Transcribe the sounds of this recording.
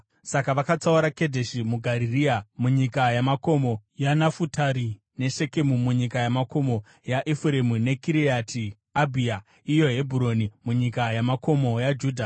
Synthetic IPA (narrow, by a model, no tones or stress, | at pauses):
sakaʋakat͡sauɾake̞dʱeʃimuɡʱaɾiriamuɲikajamako̞mo̞janafutʰaɾi | ne̞ʃe̞ke̞mumuɲikajamako̞mo̞ | jaʔefuɾe̞mune̞kiɾiatʰi | abʱia | ijo̞ɦe̞bʱuɾo̞nimuɲikajamako̞mo̞jad͡ʒuːdʱa